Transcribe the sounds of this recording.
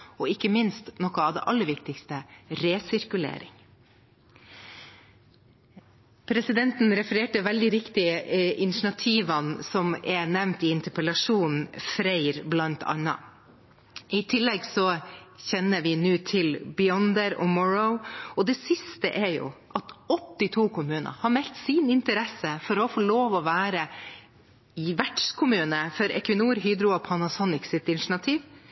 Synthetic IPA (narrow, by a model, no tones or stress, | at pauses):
ɔɪkːəmɪnst̪nɔkːəɑʋd̪ɛ̰ːʔɑlːəɾʋɪkt̪ɪkst̪əɾeːsɪɾkʉlḛːɾɪ̰ŋ | pʰɾɛsɪd̪ɛnt̪n̩ɾɛfəɾeːʈəʋɛld̪ɪɾɪkt̪ɪɪnɪʂɳɑt̪ʰiːʋɑnsɔmɛnɛʋnt̪ɪɪnt̪əpəlɑʂuːnn̩fɾæɪɾblɑnt̪ʰɑ̰nːɑ̰ | ɪt̪ʰɪlːɛɡsɔçɛnːəʋɪnʉːt̪ʰɪlbɪɔnd̪əɾɔ̰mɔɹəʊɔd̪ɛsɪst̪ə̰ʔɛɾjʊ̰ʔɑt̪ɔt̪ːɪt̪ʰuːkʰʊmʉːnə̰hɑɾmɛlt̪sɪnɪnt̪əɾɛsəfɔɾɔfoːloːʋɔʋæːɾə | ʋæʈʂkʰʊmʉːnəfɔɾɛ̰kʋɪnuːɾɦyːd̪ɾʊɔpʰɑnɑsɔnɪksɪt̪ɪnʂɳɑt̪ʰiːʋ